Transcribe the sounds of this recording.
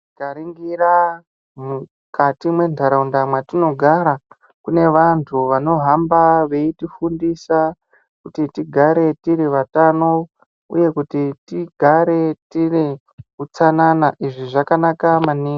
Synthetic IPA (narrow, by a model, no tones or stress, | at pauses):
kaɾiŋɡira | mu | katimwe̞ntʰaɾaundamwatino̞ɡʱaɾa | kune̞ʋantʰuʋano̞ɦambaʋe̞itifundisa | kutitiɡʱaɾe̞tiriʋatano̞ | ṵje̞kutitiɡʱaɾe̞tire | kut͡sananaʔiʐiʐakanakamaniːɡ